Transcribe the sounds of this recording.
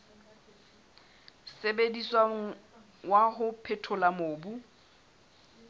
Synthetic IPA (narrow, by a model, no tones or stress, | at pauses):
sebediswa | waɦʊpʰɛtʰʊlamoːbu